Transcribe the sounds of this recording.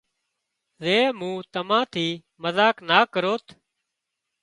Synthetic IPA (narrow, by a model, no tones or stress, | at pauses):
zeːmũːt̪əmãːt̪ʰiː | məzaːknaːkəɾoːt̪ʰ